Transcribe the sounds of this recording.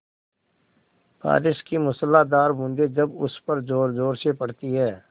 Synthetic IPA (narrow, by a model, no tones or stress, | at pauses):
pa̰ːɾɪʃkimʊsəlːad̪aːɾbʊ̃nd̪ed͡ʒɐbʊspəɾd͡ʒoːɾd͡ʒoːɾsepɐɽt̪iɦɛː